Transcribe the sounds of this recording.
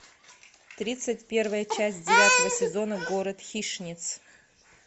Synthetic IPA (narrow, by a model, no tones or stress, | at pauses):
t̪ɾʲit̪sɨtʲpʲe̞rvəjət͡ʃæsʲt̚ʲdʲɪvʲat̪əvəsʲɪzo̞nəɡo̞ɾət̪xʲiʂnʲɪt̪s